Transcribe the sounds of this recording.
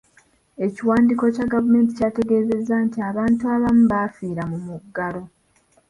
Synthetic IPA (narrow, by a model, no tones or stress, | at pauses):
e̞ciwaːndiːko̞caɡavume̞ːnti̥caːte̞ɡe̞ːze̞zːantiaβaːntuaβamuβafiːɾamumuɡːalo̞